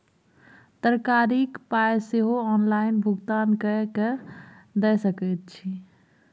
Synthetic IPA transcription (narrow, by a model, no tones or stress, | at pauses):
t̪əɾkaɾikpajseɦoɔnlainbʱuɡt̪ankəked̪ɛjsəkɛt̪̚t͡ʃʰi